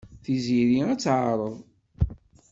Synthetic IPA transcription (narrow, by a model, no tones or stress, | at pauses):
θiziɾiæt͡sːʕəɾˤəðˤ